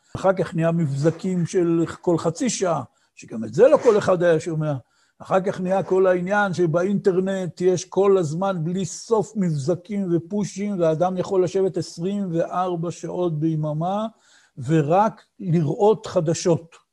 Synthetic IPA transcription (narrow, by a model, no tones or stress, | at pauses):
aχaʁkaχniamifzakimʃe̞lko̞lχat͡siʃaa | ʃeɡametze̞lo̞ko̞le̞χad̪ajaʃomea | aχaʁkaχniako̞lainjanʃebainte̞ʁne̞t̪jeʃko̞lazmanbliso̞fmifzakimve̞puʃimveaːd̪amjaχo̞lːaʃe̞vet̪esʁimve̞ʔaʁbaʃaʔo̞t̪̚beimama | ve̞ʁak | liʁʔo̞tχad̪aʃo̞t̪